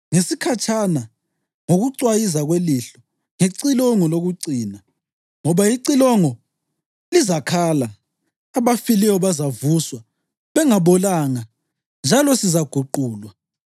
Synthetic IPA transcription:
ŋesikʰat͡ʃʰʼana | ŋoɣuǀwajizaɣweliɬɔ | ŋeǀilɔŋɔloɣuǀiːna | ŋɔβaiǀilɔŋɔ | lizakʰalaː | βafilɛwɔβazavuswa | βɛŋaβɔlaŋa | nd͡ʒʱalɔsizaɡ̥ʱuǃuːlwa

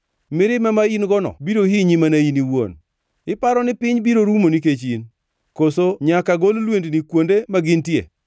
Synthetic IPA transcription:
mɪɾɪmɛmainɡɔnɔ̰biɾohiɲimanainiwo̰n | ɪpaɾɔnɪpɪɲbiɾoɾumoniket͡ʃin | kosoɲakaɡollwendnikwondemaɡɪntjḛ

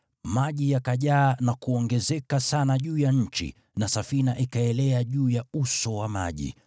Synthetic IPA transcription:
maʄijakaʄaːnakuɔŋɡɛzɛkasanaʄuːjaɲ̩t͡ʃḭ | nasafinaʔikaɛlɛaʄuːjausɔwama̰ʄḭ

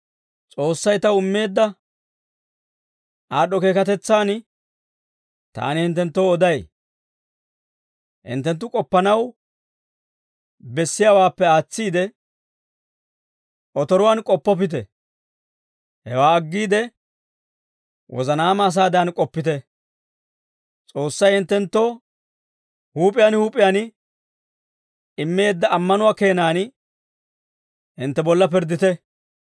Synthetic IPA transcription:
t͡sʼo̞ːsːɐjt̪ɐʊmːe̞ːd̪ːɐ | aːɗɔke̞ːkɐt̪ɛt͡sːaːn | t̪a̰ːnɪhɪnt̪ːɛnt̪ːowɔd̪ɐj | hɪ̰nt̪ːɛnt̪ːʊkʼɔpːɐnɐw | bɛsːɪjaːwaːpːɛaːt͡sːiːd̪ɛ | ʔɔt̪ɔɾʊwaːnkʼɔpːɔp̬ɪt̪̬ɛ | hɛwaːɐɡːiːd̪ɛ | wʔɔ̰zɐnaːmɐːs̬aːd̪ɐɐnkʼɔpːɪt̪ɛ | t͡sʼo̞ːsːɐjɪnt̪ːɛnt̪ːo | huːpʼɪjaːnhuːpʼɪjaːn | ɪmːe̞ːd̪ːɐʔːmːɐnʊwaːke̞ːnaːn | ɪnt̪ːɛbɔlːɐpɪɾd̪ːɪt̪ɛ

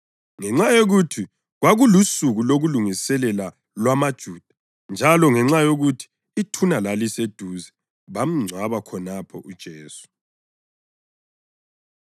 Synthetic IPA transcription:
ŋɛŋ͡ǁajoɣutʰi | ɣwaɣulusuɣuloɣuluŋisɛlɛla | lwamad̥ʒ̥ʱuːd̥ʱḁ | nd͡ʒʱalɔŋɛŋ͡ǁajoɣutʰi̥ː | tʰunalalised̥ʱuːzɛ | βam̩ŋ͡ǀʱwaβakʰɔnapʰɔʔud̥ʒ̥ʱeːsu̥

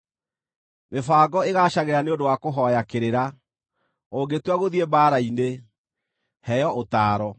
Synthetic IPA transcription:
mefaːɡɔeɣaːɕaɣeɾaneondowakoɦɔjakeɾeɾa | oːɡetwaɣoðiebaːɾaine | hɛjɔʔotaːɾɔ

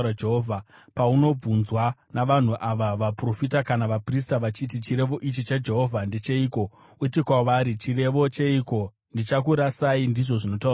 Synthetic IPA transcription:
ad͡ʒeɦovʱapauno̞b͡vunzwanaʋan̤uʔaʋaʋapro̞fitakanaʋapris̬taʋat͡ʃitit͡ʃiɾe̞ʋo̞ʔit͡ʃit͡ʃad͡ʒe̞ɦo̞vʱandet͡ʃe̞iːko̞ | uitikwaʋaːɾit͡ʃire̞ʋo̞t͡ʃe̞iko̞ | ndit͡ʃak̬uɾasaindiʐo̞ʐino̞tau

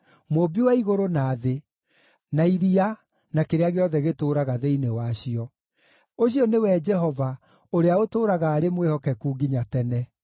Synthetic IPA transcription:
mobiwaiɣoɾonaːðe | naiɾia | nakeɾeaɣeɔðɛɣetoːɾaɣaðeinewaɕiɔ | oɕ̬iɔnewɛd͡ʒɛɦɔva | oɾeaotoːɾaɣaːɾemwehɔkɛkuːɡiɲatɛnɛ

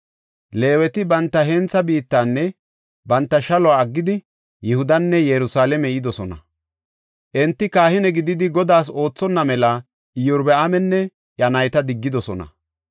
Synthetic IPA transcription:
le̞ːwɛt̪ɪbɐnt̪ːɐɦɛnt͡sːɐbiːt̪ːaːnːɛ | bɐnt̪ːɐʃɐlɔaːɐɡːɪd̪ɪ | jɪhʊd̪ɐnːɛjɛɾʊsaːlɛmɛɪd̪ɔsɔnɐ̰ | ʔɛnt̪ːɪkaːhɪnɛɡɪd̪ɪd̪ɪɡɔd̪aːs̬o̞ːt͡sːɔnːɐmɛlɐ | ɪjʊɾbɛamɛnːɛ | ʔjɐnɐjt̪ɐd̪ɪɡːɪd̪ɔsɔnɐ̰

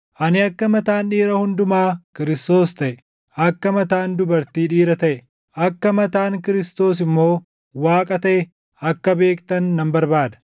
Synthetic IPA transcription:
ʔɐnɪɐkːɐmɐt̪aːnᶑiːɾɐhʊnd̪ʊmaːkɪɾɪst̪o̞ːst̪ɐʔɛ | ʔɐkːɐmɐt̪aːnd̪ʊbɐɾt̪iːᶑiːɾɐt̪ɐʔɛ | ʔɐkːɐmɐt̪aːŋkɪɾɪst̪o̞ːs̬ɪmːo̞ː | waːkʼɐt̪ɐʔɛ | ɐkːɐbe̞ːkt̪ɐnːɐmbɐɾbaːd̪ɐ̥

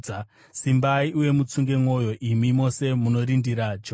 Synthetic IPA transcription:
simbaiʔuje̞mut͡suŋɡe̞mwo̞jo̞ʔimimo̞se̞muno̞ɾindiɾad͡ʒo

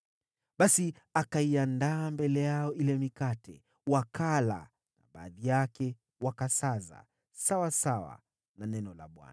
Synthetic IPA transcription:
ɓasi | akaiandaːmbɛlɛjaɔilɛmikatʰɛ̰ | wakʰala̰ | naɓa̰ːðijakɛ | wakasaza̰ | sawasawa̰ | nanɛnɔla̰ɓwa̰na

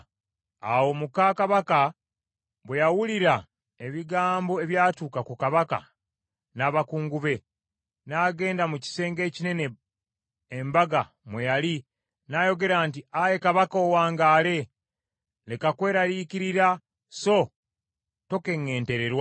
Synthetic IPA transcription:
awo̞mukakaβaka | βwejawuliɾa | e̞βiɡaːmbo̞e̞βjaːtuːkakukaβaka̰ | naβakuːŋɡuβe̞ | naːɡe̞ːndamuci̥se̞ːŋɡe̞ːcine̞ne̞ | embaɡa | mwejali | naːjo̞ɡe̞ɾaːnt̬iaje̞kaβakoːwaːŋɡaːle̞ | le̞kakwe̞ːɾaɾiciɾiɾa | so̞ | to̞ke̞ŋːe̞ːnte̞ɾe̞ɾwa

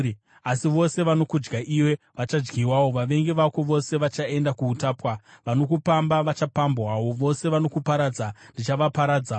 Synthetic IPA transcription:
asiʋo̞se̞ʋano̞kud͡ʒɡaʔiwe̞ | ʋat͡ʃad͡ʒɡiwawo̞ʋaʋe̞ŋɡeʋakoʋo̞se̞ʋat͡ʃae̞ndakuːtaːpwaʋano̞kupambaʋat͡ʃapambwawo̞ʋo̞se̞ʋano̞kupaɾaːd͡zandit͡ʃaʋapaɾaːd͡za

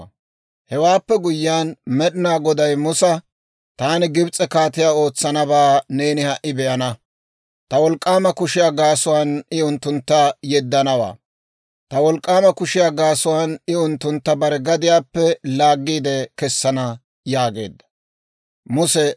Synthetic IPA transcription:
hɛwaːpːɛɡʊjːaːnmɛɗɪnaːɡɔd̪ɐjmʊsɐ | t̪aːnɪɡɪbt͡sʼːɛkaːt̪ɪjaːo̞ːt͡sːɐnɐbaːne̞ːnɪhɐʔɪbɛʔɐnɐ | t̪ɐwɔlkʼːaːmɐkʊʃɪjaːɡaːsʊwaːnɪʊnt̪ːʊnt̪ːɐjɛd̪ːɐnɐwa̰ː | t̪ɐwɔlkʼːaːmɐkʊʃɪjaːɡaːsʊwaːnɪʊnt̪ːʊnt̪ːɐbɐɾɛɡɐd̪ɪjaːpːɛlaːɡːiːd̪ɛkɛsːɐnɐ | jaːɡe̞̰ːd̪ːɐ̥ | mʊsɛ

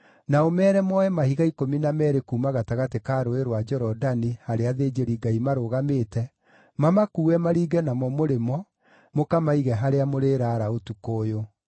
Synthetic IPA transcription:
naomɛːɾɛmɔɛmahiɣaikominamɛɾekuːmaɣataɣatekaːɾoeɾwad͡ʒɛɾɔdanihaɾeaðeːd͡ʒeɾiɡaimaɾoɣameːtɛ | mamakuːɛmaɾiːɡɛnamɔmoɾemɔ | mokamaiɣɛɦaɾeamoɾeːɾaːɾaotukoːjo

